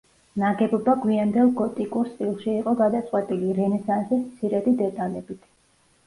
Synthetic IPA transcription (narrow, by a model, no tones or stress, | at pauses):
naɡɛbɔbaɡwiand̪ɛlˠɡɔt̪ʼikʼuɾst̪ʼilˠʃiːqʼɔɡad̪at̪sʼqʼwɛt̪ʼiliɾɛnɛsansismt̪sʰiɾɛd̪id̪ɛt̪ʼalɛbit̪ʰ